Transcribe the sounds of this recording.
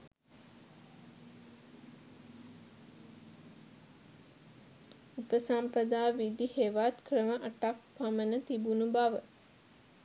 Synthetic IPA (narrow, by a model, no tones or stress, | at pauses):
upəsampəd̪aːʋid̪iheʋat̪krəməʔaʈak̚pamənət̪ibunubaʋə